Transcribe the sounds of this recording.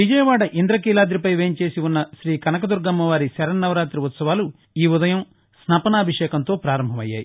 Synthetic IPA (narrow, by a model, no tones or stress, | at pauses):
ʋid͡ʒɐjɐʋaːɽɐʔind̪ɾɐkiːlaːd̪ɾipɐjʋeːɲt͡ʃe̞ːsiunːɐʃɾiːkɐnɐkɐd̪uɾɡɐmːɐʋaːɾisɐɾɐnːɐʋɐɾaːt̪ɾiʋut̪sɐʋaːlu | iːud̪ɐjɐm | snapɐnɐɐbʱiʂɛːkɐnt̪o̞ːpɾaːɾɐmbʱɐmɐjːa̰ːji